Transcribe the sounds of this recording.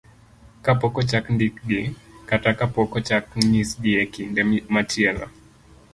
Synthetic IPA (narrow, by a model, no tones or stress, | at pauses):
kapɔkɔt͡ʃakndikɗikatakapɔkɔt͡ʃakɲisɡiɛkindɛmat͡ʃɛla̰